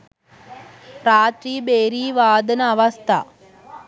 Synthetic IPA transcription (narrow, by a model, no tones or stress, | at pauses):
ɾaːʈriːbeːɾiːʋaːd̪ɐnɐːʋɐst̪ʰa̰